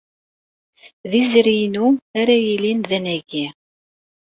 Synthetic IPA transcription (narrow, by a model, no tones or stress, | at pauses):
ðizɾinuaɾæjilinðænæɡi